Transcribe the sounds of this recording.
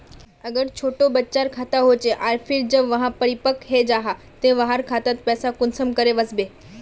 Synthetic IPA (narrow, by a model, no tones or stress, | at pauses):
əɡəɽt͡ɕʰoːʈobətːt͡ʃaɾkʰat̪aɦot͡ɕeʔaɾfʰiːld͡ʑəbʋəɦãpəɽipəkɦed͡ʑaɦa | t̪ẽʋaɦaɾkʰat̪at̪pɛːsakʊnsəmkəɾeʋəsbe